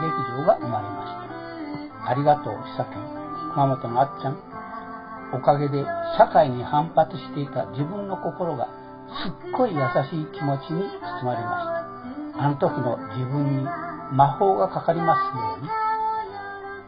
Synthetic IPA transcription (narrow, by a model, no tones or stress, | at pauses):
de̞kʲiʑoːɡaʔɯmaɾe̞maɕi̥t̪ḁ | aɾʲiɡat̪o̞̰̥ːsakẽ | kɯ̟mamo̞t̪o̞noat͡ɕãŋ | o̞kaɡe̞d̪e̞ɕakaiɲ̟ihãmpat͡sɨɕi̥t̪e̞it̪a̰d͡ʑibɯ̟̃nːo̞ko̞ko̞ɾo̞ɡa̰ | sɨkːo̞ijasaɕiːkʲimo̞t͡ɕiɲ̟it͡sɨ̥sɨmaɾʲema̰sɨ̥t̪a | ãnt̪o̞kɯ̟no̞d͡ʑibɯ̟̃ɲ̟ːimaho̞ːɡakakaɾʲimasɨjo̞ːɲi